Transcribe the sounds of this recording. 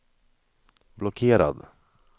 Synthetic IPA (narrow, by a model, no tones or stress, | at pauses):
blɔkʰeːɾa̰d̪